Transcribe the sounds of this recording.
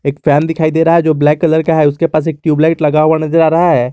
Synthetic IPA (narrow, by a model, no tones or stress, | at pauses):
eːkfɛːnd̪ɪkʰaːid̪eːɾɐɦaɦɛd͡ʒoːblɛːkːɐləɾkaɦɛʊskepaːs̬eːk̚ʈjuːblaːɪʈlɐɡaɦuanɐzəɾaːɾɐɦaɦɛː